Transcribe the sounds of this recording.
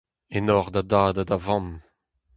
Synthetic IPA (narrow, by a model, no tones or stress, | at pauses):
enɔʁd̪adaːd̪adavɑ̃m